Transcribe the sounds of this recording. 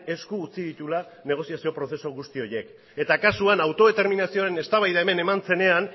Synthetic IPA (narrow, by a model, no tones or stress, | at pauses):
e̞skuːt͡siðit̪ula | ne̞ɣ̞o̞sijasio̞pɾo̞θe̞so̞ɣust̪io̞je̞k | e̞t̪akasuanawt̪o̞ðe̞t̪e̞ɾminasio̞aɾe̞ne̞st̪aβajðae̞me̞ne̞mant͡se̞ne̞an